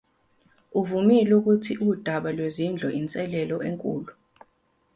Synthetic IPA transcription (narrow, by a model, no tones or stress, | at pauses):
uvumiluk̬utʰiʔuud̥ʱaɓalwezind͡ɮʱɔʔint͡sʼɛlɛlɔʔeŋkʼuːlu